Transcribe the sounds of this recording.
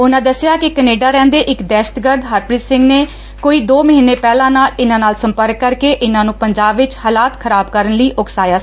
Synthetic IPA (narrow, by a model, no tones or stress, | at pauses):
ʊnãːd̪əsɪjaːkɪkəneːɖaːɾɛ̃ːnd̪eːʔɪkd̪ɛːʃə̥t̪ɡəɾd̪ɦəɾpɾiːt̪sɪ̃ŋɡneː | koːiːd̪oːməɦiːnːeːpɛːlãːnaːlɪnãːnaːlsəmpəɾkːəɾkeːʔɪnãːnũːpəɲd͡ʒaːbʋɪt͡ʃhaːlaːt̪kʰəɾaːbkəɾənləiːʔʊksaːjaː